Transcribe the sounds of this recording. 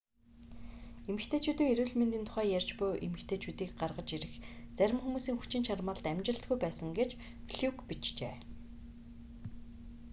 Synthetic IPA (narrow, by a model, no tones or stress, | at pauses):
emɘ̆xt̪ʰeːt͡ɕʰut̪iːŋeɾuːɮment̪iːnt̪ʰʊ̥χæːjærʲt͡ɕpʊjʔemɘ̆kt̪ʰeːt͡ɕʰuːt̪iːkɢarʁə̆t͡ɕiɾɘ̆xt͡sæɾʲɪ̆mxumuːsiːŋxu̥t͡ɕɪ̆nt͡ɕʰarmə̆ːɮt̪æmʲt͡ɕɪ̆ɬt̪̚ɡujpæːsə̆ŋɡet͡ɕ | fɮukpit͡ɕt͡ɕḛː